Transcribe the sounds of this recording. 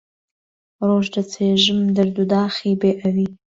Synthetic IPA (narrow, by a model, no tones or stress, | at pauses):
roːʒdat͡sʰeːʒɨmd̪ɨrd̪ud̪aːχibeːʔawi